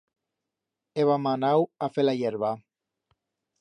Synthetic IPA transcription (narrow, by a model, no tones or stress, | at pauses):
eβamanawafelajeɾβa